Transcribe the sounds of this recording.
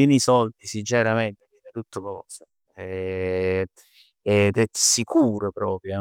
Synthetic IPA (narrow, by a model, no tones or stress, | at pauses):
inisɔlt̪isid͡ʒɛɾamɛnt̪eviːnet̪ut̪ːʊkɔːsa | ɛ | ɛd̪ɛsikuːɾopɾɔːpɾjo